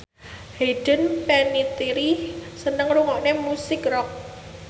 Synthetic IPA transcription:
heɖ̥ənpɛnit̪iɾisənəŋɾuŋɔʔnemusɪkrɔk̚

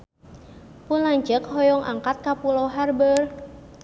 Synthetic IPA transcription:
pʊnlaɲd͡ʒəkhɔjɔŋʔa̰ŋkat̪̚kapulɔɦarbər

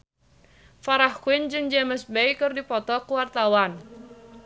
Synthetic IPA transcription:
faɾahkuɪnd͡ʒɨŋd͡ʒɛməsbɛjkɨrdipɔt̪ɔkuwart̪awan

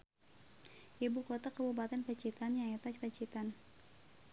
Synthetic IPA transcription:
ʔibukot̪akəbupat̪ɛnpət͡ʃit̪anjaŋɛt̪apət͡ʃit̪an

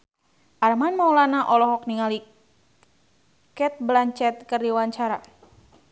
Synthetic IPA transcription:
ʔarmanmawlanaʔɔlɔɦɔk̚niŋali | kɛt̪̚blaɲt͡ʃɛt̪̚kərdiwaɲt͡ʃaɾa̰

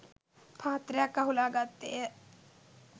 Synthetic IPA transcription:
pʰaːt̪rɐjakːaɦulaːɡat̪ːeːjə

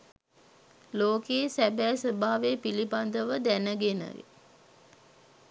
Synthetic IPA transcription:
loːkeːsæbæːsəbaːʋepiliband̪əʋəd̪ænəɡenə̰ɡḛ

